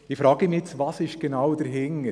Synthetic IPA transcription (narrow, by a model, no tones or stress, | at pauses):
ɪfɾɑːɡ̥əmiɛt͡svɑːsɪʃɡ̥enawd̥əɾɦɪŋə